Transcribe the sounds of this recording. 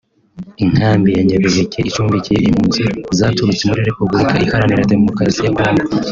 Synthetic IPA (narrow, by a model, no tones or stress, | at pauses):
iŋ̥haːmbijaɲaβeβekʰe̞ʔit͡ʃuːɱvicijeʔim̥huːnzizaːtuɾut͡semuɾiɾe̞publikʰaʔihaɾaniɾajade̞mo̞kɾasijakoːŋɡa